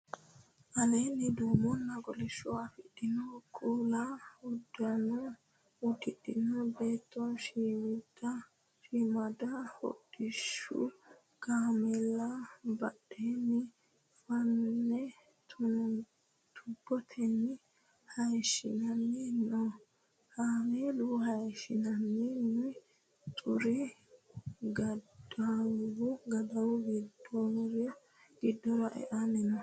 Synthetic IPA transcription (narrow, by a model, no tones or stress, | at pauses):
ʔalenid̪uːmɔnːaɡɔlɛʃɔafiɗinɔkʰʼulaudanɔ | udiɗinɔbɛt̪ːɔʃiwida | ʃimadahɔ̰d̥iʃṵ | kamɛlabaɗeni | fanːɛ | t̪ʰʊ | t̪ʰʊbːɔt̪ʰɛnːɪ | hɐjʃɪ̰nɐnːɛnɔ | haːmeluɦɐjʃɪnɐnːɛnː | t̪ʼʊɾɪ | ɡɐdawʊɡɐd̪ɐwʊɡɪd̪ɔɾɛ | ɡ̥ɪd̪ːɔɾɐʔɛ̰ʔanɛnɐ